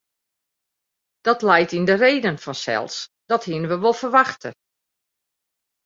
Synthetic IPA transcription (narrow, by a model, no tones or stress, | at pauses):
d̥ɔtlɛjtindəreːdənfɔnsɛ̰lˠsd̥ɔthiənəʋəʋolˠfərʋaxtə̰